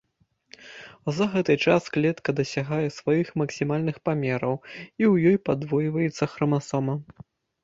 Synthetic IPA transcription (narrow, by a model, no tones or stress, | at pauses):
zɐɣɛt̪ɨt͡ʂasklʲɛt̪kɐd̪ɐsʲaɣajɛsvajixmɐksʲimalʲnɨxpamʲɛɾɐwiwjɔjpad̪vɔjvɐjɛt̪sːɐxɾɐmasɔmɐ